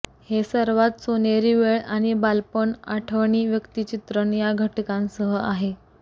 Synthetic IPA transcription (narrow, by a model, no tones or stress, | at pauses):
hesəɾʋat̪soneɾiʋeɭaɽ̃ibalpəɳaʈʰəʋɳiːʋjəkt̪it͡ɕit̪ɾəɳjaɡʱəʈkãnsəɦəaɦe